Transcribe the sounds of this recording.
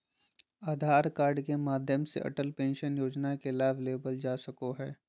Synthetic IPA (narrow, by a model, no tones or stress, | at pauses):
aːd̪ʱaːɾkaːɾɖkemaːd̪ʱjəmsḛʔɐ̰ʈəlpẽːnʃənjoːd͡ʒnakelaːʋleːbəld͡ʒaːsɐkoɦɛː